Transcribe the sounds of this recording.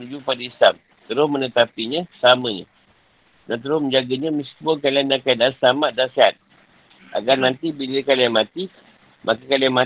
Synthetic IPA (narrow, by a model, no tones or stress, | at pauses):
nud͡ʒupadaislam | t̪əɾʊsmə̃nət̪apiɲəsəamə̃ɲə̰̃ | nant̪̬əɾʊsməɲd͡ʒaɡəɲə̃misi̥buəkalianakadasamaʔ̚danseɦat̪̚ | ʔa̰ɡarnãnt̪ibiləkalijamat̪i | mʔakəkaliama